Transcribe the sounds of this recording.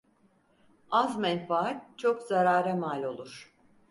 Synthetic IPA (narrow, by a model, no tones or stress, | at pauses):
azmɛnfaat̪̚t͡ʃʰo̞kzaɾaːɾɛmalʲo̞lˠuɾ̥